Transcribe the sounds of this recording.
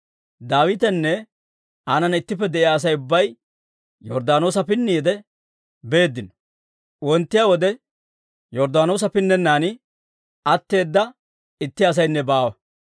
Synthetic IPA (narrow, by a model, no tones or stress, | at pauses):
d̪aːwɪt̪ɛnːɛ | aːnɐnɪt̪ːɪpːɛd̪ɛʔɪaːs̬ɐjʊbːɐj | jɔɾd̪aːno̞ːsɐpɪnːijd̪ɛ | be̞ːd̪ːɪnɔ̥ | wɔnt̪ːɪjaːwɔd̪ɛ | jɔɾd̪aːno̞ːs̬ɐpɪnːɛnːaːnɪ | ɐt̪ːe̞ːd̪ːɐ | ɪt̪ːɪɐs̬ɐjnːɛbaːwɐ